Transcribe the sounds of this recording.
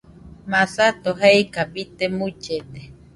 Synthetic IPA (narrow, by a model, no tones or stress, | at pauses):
masat̪oɦeikabit̪emut͡ʃet̪e̥